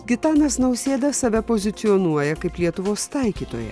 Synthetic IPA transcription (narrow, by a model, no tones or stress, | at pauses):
ɡʲɪt̪ɑːnɐsnɐʊsʲeːd̪ɐsɐʋʲɛpoːzʲɪt̪sʲɪɔnuɔjɛkɐɪplʲiɛt̪ʊʋoːst̪ɐɪkʲiːt̪o̰ːjɛ̰